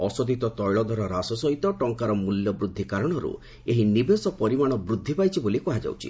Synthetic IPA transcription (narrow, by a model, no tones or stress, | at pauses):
ɔsɔd̪it̪ɔt̪ɔjɭɔd̪ʱɔɾɔɾasɔsɔɦit̪ɔʈɔŋkaɾɔmuljɔbɾud̪ʱːikaɾɔɽ̃ɔɾṵ | eɦinibesɔpɔɾimaɽ̃ɔbɾud̪ʱːipajt͡ʃʰibolikɔɦad͡ʒa̰wt͡ʃʰḭ